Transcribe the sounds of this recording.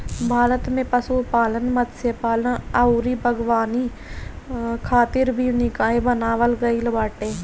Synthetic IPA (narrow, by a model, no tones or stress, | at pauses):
bʱaːɾət̪mẽpəsuːpaːlənmət̪sepaːlənəuːɾiːbʱəɡʋaːniː | kʰaːt̪ɪɾbʱiːnɪkaːebənaːʋəlɡəiːləbaːʈeː